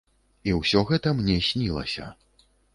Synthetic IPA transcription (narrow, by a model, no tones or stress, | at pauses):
iwsʲɔɣɛt̪ɐmnʲɛsʲnʲilˠɐ̰sʲɐ̰